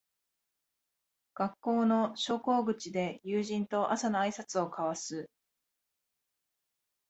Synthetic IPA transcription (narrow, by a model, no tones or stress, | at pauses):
ɡ̥akːo̞ːno̞ɕo̞ːko̞ːɡɯ̟t͡ɕid̪e̞jɯːʑĩnt̪o̞ʔasanoaisat͡sɨo̞kʰaβasɨ